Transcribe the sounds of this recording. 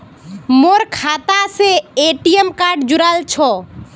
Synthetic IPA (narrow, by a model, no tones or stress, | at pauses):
moɾkʰaːt̪aseeʈijəmkaːɾɖd͡ʒʊɾalt͡ʃʰɔ